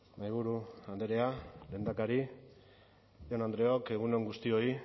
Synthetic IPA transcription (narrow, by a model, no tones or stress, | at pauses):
najβ̞uɾuand̪eɾeale̞ːnd̪akaɾi | jonand̪ɾe̞o̞ke̞ɣ̞une̞ŋɡust̪io̞i